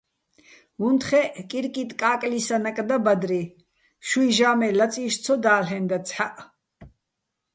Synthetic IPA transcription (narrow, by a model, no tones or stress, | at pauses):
vunt̪χɛʔkʼiɾkʼit̪ʼkʼaːkʼlisanakʼd̪abad̪ɾi | ʃuiʒaːmɛlat͡sʼiːʃt͡sʰɔd̪aːlɦɛnd̪at͡sʰħaʔ